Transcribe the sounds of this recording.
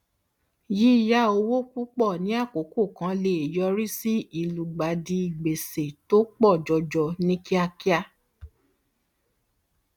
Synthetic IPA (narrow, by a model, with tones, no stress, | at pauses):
ji˨˦ja˦o˧wo˦ku˦k͡pɔ˦˨nĩ˨˦a˦˨ko˨˦ko˦˨kã˨˧˦le˧˨e˨jɔ˧˦ɾi˦si˦i˨lu˨ɡ͡ba˨di˧i˨ɡ͡be˨se˨to˦k͡pɔ˦˨d͡ʒɔ˧d͡ʒɔ˧nĩ˦ki˦a˧ki˦a˦